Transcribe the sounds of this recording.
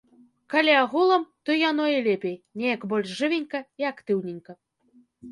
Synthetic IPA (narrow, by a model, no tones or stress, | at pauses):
kalʲiaɣulˠɐmt̪ɔjanɔilʲepʲejnʲejɐkbɔlʲʂʐɨvʲenʲkɐiakt̪ɨwnʲinʲkɐ